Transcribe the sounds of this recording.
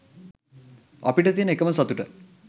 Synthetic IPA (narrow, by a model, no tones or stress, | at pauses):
ɐ̰piʈət̪iənəekəməsɐt̪uʈə